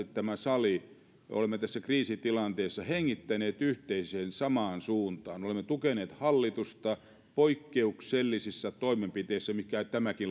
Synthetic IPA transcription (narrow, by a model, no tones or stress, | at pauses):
tt̪æmæsɑlḭ | o̰lemːet̪æsːækriːsit̪ilɑnt̪eːsːɑheŋːit̪ːæneːt̪yht̪eiseːnsɑmɑːnsuːnt̪ɑ̰ːnolemːet̪ukeneːt̪hɑlːit̪ust̪ɑ | poikːeukselːisisːɑt̪oimempit̪eˑisːæmikæt̪æmækil